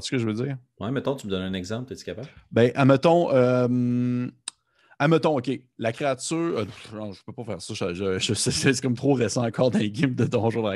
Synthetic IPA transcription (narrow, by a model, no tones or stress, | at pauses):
skəʒəvəd͡zziːʁ | wɛmɛ̃t̪ɔ̃t̪yməd̪ɔnɛ̃nɛɡzɑ̃pt̪ɛt͡s̪i̥kʲapabbɛ̃ʔamət̪ɔ̃ʔœm | amət̪ɔ̃okʲe | lakʲʁeat͡syːʁnɔ̃ʒə̥pøpɔfɛːʁsɔʒəʒəʒəsesɛsɛ̥kɔmt̪χoʁesãɑ̃kɑːʁd̪ɛ̃ɡʲɪmd̪əd̪ɔ̃ʒud̪ʁa